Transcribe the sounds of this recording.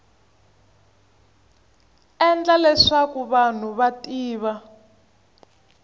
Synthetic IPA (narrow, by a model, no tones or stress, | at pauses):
ɛnd͡ɮalɛʂakuβan̤uβatʼiːβa